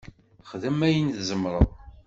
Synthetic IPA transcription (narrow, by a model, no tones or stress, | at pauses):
χðəmæjənðzəmɾˤə̰ðˤ